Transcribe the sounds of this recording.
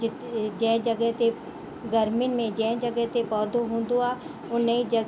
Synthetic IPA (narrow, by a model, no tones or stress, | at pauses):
ɪ | d͡ʒɛ̃ːd͡ʒɐɡəɦt̪e | ɡɐɾmɪnmẽd͡ʒɛ̃ːd͡ʒɐɡəɦt̪epɔːd̪oɦõːn̆d̪oaː | ʊnəid͡ʒɐ